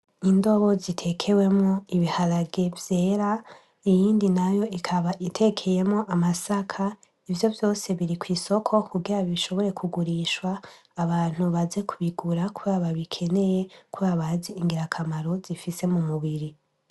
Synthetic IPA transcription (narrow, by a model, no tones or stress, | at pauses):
indo̞βo̞zitʰe̞kʰe̞we̞mŋoiβihaɾaɡe̞vje̞ːɾa | ijiːndinajo̞ikʰaβaʔitʰe̞kʰe̞je̞mŋo̞ʔamasakʰa | ivjo̞vjo̞ːse̞βiɾikwiːso̞kʰo̞kuɡiɾaβiʃo̞βo̞ɾe̞kʰuɡuɾiʃwaː | βaːn̥uβaze̞kʰuβiɡuɾakuɾaβaβikʰe̞ne̞je̞kʰuβaβaziiŋɡiɾakʰamaɾo̞zifise̞mumuβiɾi